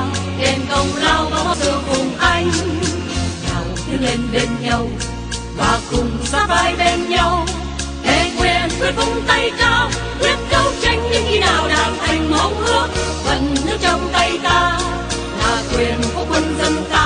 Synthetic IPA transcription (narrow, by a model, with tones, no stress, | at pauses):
ɗe˧˩nkə˧˩wŋ͡mzaː˧wva˨˦˧t̪ɨ˨˧˩əkʊ˨˩ŋ͡mʔa˧jŋ̟ | zaː˨˩wsɨ˧˦le˧nɓe˧nɲa˧w | vaː˨˩kʊ˨˩ŋ͡msaː˨˦faː˧jɓe˧nɲa˧w | t̪ʰe˧˩kwɛ˨˩ənwi˨˦kʊ˧˦ŋ͡mt̪ə˧jt͡ɕaː˧w | kwi˦˥ət̚kə˨˧˦wt͡ɕa˧jŋ̟ɲɨ˧˦ŋxi˧naː˨˩wɗaː˨˩mha˨˩jŋ̟mə˨˦whɨ˦˥ət̚və̰˧˩nɨ˨˧˥t͡ɕɔ˧wŋ͡mt̪ə˧jt̪aː˧ | laː˨˩kwɛ˨˩ənkɔ˨˦kwə˧nzə˧mkaː˧˦